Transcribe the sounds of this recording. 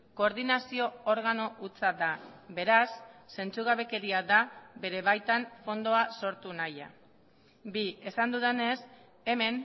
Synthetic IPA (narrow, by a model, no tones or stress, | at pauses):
ko̞ːɾðinasio̞oɾɣ̞ano̞ʔut͡sad̪abe̞ɾasːe̞nt͡suɣ̞aβe̞ke̞ɾiaðabe̞ɾe̞βajt̪aɱfo̞nd̪o̞aso̞ɾt̪unaja̰ | bie̞sand̪uðene̞s | e̞me̞n